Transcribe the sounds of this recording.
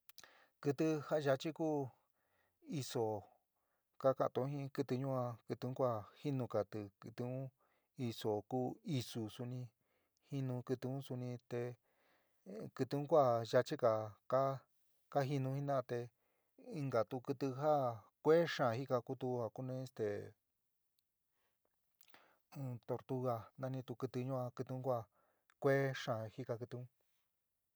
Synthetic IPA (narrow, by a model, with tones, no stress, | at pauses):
kɨ˧t̪ɨ˧ha˦˧ʒa˧t͡ʃi˦kuː˦ | i˧so˨ | ka˦kã˧ʔt̪õ˧˦hĩ˦kɨ˧t̪ɨ˧ɲũ˦ã˧kɨ˧t̪ɨ̃˧˦kʷa˦˨hi˦nũ˧ka˨t̪ɨ˧kɨ˧t̪u˧ũ˦ | i˧so˨kuː˦i˧su˨su˧nĩ˧ | hi˦nũ˧kɨ˧t̪ɨ˧ũ˦su˧nĩ˧t̪e˧ | kɨ˧t̪u˧ũ˦kʷa˦˨ʒa˧t͡ʃi˦ka˨ka˦ | ka˦ɦi˧nũ˧hi˦nã˦˧t̪e˧ | i˧ŋɡa˨t̪u˧kɨ˧t̪ɨ˧ɦa˦ | kʷe˦ʂã˨ɦi˦ka˧ku˧t̪u˧ha˧ku˦nẽ˦e˧st̪ḛ˨˧ | t̪o˧ɾt̪u˧ɣa˧nã˧nĩ˧t̪u˧kɨ˧t̪ɨ˧ɲũ˦ã˧kɨ˧t̪u˧ũ˦kʷa˦˧ | kʷe˦ʂã˨hi˦ka˧kɨ˧t̪u˧ũ˦